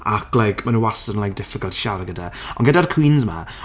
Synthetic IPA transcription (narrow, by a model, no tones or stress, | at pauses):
aklˠajkʰmanuwasənlajk̚d̥ɪfɪkɔlˠtʰʃaɾəɡədaɔ̰nɡɛdarkʰw̥iːnzma̰